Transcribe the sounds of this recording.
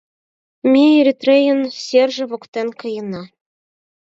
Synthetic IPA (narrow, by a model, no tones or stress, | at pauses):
mʲeeɾʲit̪rʲejə̆nsʲerʒɘ̆βokt̪enkɤ̆jɤ̆nɑ